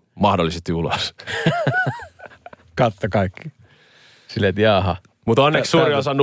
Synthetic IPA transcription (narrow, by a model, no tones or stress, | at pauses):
mɑhdolːˑisest̪iulos | kɑt̪ːokɑikːi̥ | silːet̪jɑːɦɑ | mut̪onːessuːɾiosɑnːu